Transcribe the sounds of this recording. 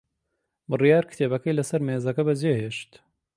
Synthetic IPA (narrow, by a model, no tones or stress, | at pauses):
bɨrijaːɾkɨ̥t̪ʰeːbɐkɐjlɐsɐɾmeːzɐkɐbɐzeːheːʃt̪